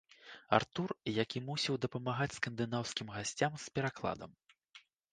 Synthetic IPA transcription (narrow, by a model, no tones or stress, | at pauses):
a̰rt̪urjakʲimusʲiwd̪ɐpɐmaɣat͡sʲskɐnd̪ɨnawskʲimɣasʲt͡sʲamspʲɛɾaklˠa̰d̪ɐ̰m